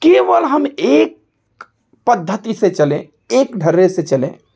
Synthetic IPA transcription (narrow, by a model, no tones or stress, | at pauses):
keʋəlɦəmek̚ | pəd̪ʱːət̪isẽt͡ʃəlẽ | ekɖʱəɾːeset͡ʃəlḛ̃